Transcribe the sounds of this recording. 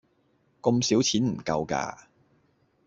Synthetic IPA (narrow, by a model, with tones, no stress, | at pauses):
kʊ˧msiː˨˥wt͡sʰiː˨˥nm̩˨˩kɐ˧wka̰ː˧